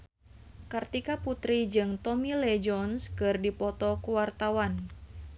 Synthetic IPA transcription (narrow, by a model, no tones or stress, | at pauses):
kart̪ikaput̪ɾid͡ʒɨŋt̪ɔmilɛd͡ʒɔnskɨrdipɔt̪ɔkuwart̪awan